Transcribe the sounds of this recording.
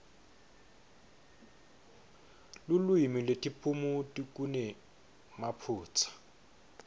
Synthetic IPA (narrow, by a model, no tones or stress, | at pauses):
lʊlwimilwetʼipʼumutʼik̬ʼunɛ | mapʰuːt͡sʰḁ